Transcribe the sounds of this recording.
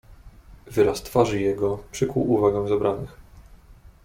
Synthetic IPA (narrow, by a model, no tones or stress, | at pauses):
vɘɾast̪faʐɘjɛɡɔpʂɘkwuvaɡɛw̃zɛbɾanɘx